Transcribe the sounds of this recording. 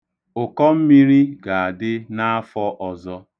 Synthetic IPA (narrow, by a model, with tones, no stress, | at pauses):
ʊ˨kɔ˦m̩˦mi˦ɾi˦ɡa˨a˨dɪ˦na˦a˦fɔ˦ʔɔ˨zɔ˦